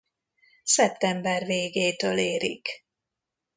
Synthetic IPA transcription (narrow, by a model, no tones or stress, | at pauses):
sɛp̚t̪ɛmbɛrveːɡeːt̪øːleːɾḭk